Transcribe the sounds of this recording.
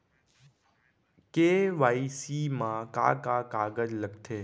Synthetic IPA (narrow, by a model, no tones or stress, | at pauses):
keʋaisimãka̰kakaɡəd͡ʒləɡt̪ʰeː